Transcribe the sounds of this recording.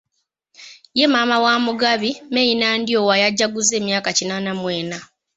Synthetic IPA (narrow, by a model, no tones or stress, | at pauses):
je̞maːmawaːmuɡaβime̞jinaːndio̞ːwajaɟːaɡuze̞ːmjaːkacinaːnamweːna